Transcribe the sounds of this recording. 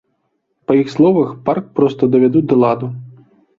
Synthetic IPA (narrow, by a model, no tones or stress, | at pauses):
pɐjixslˠɔvɐxpark̚pɾɔst̪ɐd̪ɐvʲad̪ud̪ɐlˠad̪u